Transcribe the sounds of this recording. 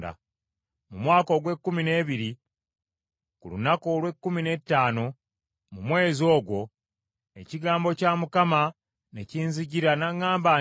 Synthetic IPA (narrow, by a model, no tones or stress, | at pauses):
da̰ | mumwaːko̞ɡwe̞kːumine̞ːβiɾi | kulṵnako̞lwe̞kːumine̞tːaːno̞ | mumwe̞ːzo̞ːɡwo̞ | e̞̰ciɡaːmbo̞caːmukama | neciːnziɟiɾanaŋːaːmba